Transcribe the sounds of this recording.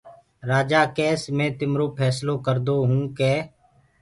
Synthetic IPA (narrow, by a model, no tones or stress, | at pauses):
ɾaːd͡ʒaːkɛːsmẽːt̪ɪmɾoːpʰɛːsloːkəɾd̪oːɦũːkɛː